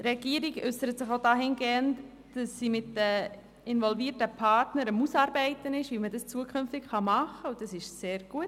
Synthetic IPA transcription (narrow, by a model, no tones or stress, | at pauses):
ɾɛɡ̥iəɾiɡʏsəɾət̪sɪχodɑːɦɪnɡeːnt | d̥ɑsːiːmɪtdə | ɪnvɔlviːətəpʰɑrtnəɾəmusɑːɾbɛɪtənɪʃʋimədɑst͡suəkʰʏnftɪkχɑmɑχəʊd̥ɑsɪʃseːɾɡ̥uət